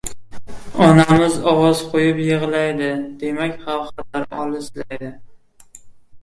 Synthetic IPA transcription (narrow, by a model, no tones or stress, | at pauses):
ɒnamɪzɒwɒzqʰojɪpjɨʁlajd̪ɪd̪e̞makʲχɑlˠqɑlaɾɒ̰lˠɪsla̰jd̪ɪ